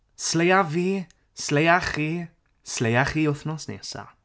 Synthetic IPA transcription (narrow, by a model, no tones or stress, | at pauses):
slejavi | slejaχi | slejaχiʊθnɔsnḛsa̰